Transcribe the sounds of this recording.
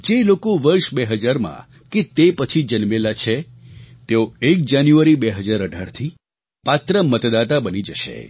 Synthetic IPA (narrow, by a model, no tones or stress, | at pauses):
d͡ʒelokoʋəɾʃbeɦəd͡ʒaɾmã̰ | ket̪epət͡ʃʰid͡ʒənmelat͡ʃʰe | t̪eoek̚d͡ʒanjuʋaɾibeɦəd͡ʒaɾəɖʱaɾt̪ʰi | pat̪ɾəmət̪d̪at̪abənid͡ʒəʃḛ